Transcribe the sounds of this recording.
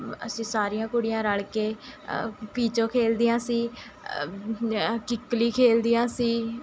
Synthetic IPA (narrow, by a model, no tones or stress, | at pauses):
ə̰sĩːsaːɾɪjãːkʊɽɪjãːɾəɽkeː | piːt͡ʃõːkʰeːld̪ɪjãːsiː | kɪkːliːkʰeːld̪ɪjãːsiː